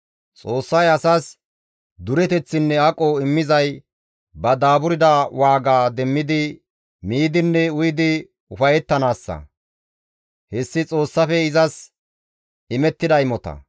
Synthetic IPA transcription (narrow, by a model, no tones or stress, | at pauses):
t͡sʼo̞ːsːɐjɐsaːs | d̪ʊɾɛt̪ɛt͡sːɪnːɛɐkʼoɪmːɪzɐj | bɐd̪aːbʊɾɪd̪awaːɡaːd̪ɛmːɪd̪ɪ | miːd̪ɪnːɛʊjɪd̪ɪ | ʊfɐjɛt̪ːɐnaːsːɐ̰ | hɛsːɪt͡sʼo̞ːsːɐfɛɪzɐs | ɪmɛt̪ːɪd̪ɐjɪmɔt̪ɐ̰